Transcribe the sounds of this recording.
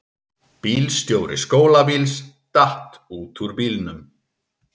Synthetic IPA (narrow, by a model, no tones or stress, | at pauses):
piːlst̪joːwɾɪ̰skoːwlavils | t̪aht̪ | uːt̪ʰuɾpiːlnʏm